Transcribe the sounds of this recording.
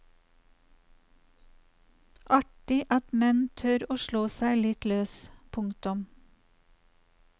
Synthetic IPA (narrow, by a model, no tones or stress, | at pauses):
ʔɑʈɪʔɑt̪mɛnt̪ʰœɾoːʃɭoːsæɪlɪt̪løːspʰʊŋt̪ʊm